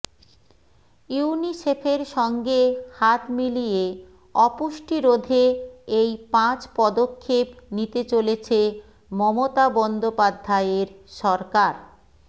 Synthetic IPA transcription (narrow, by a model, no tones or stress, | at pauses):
junisepʰeɾʃɔŋɡehat̪milije | ɔpuʃʈiɾod̪ʱeejpãt͡ɕpɔd̪okʰːepnit̪et͡ɕolet͡ɕʰe | mɔmot̪abɔnd̪opad̪ʱːaeeɾʃɔɾkaɾ